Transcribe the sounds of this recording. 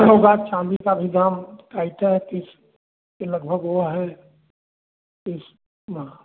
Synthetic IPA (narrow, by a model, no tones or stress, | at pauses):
ɦoːɡat͡ʃãːd̪ikabʱid̪ʱaːmɪkʰaːit̪aɦɛt̪ɪs | keləɡ̚bʱəɡɦoaɦɛ | ɪs | ma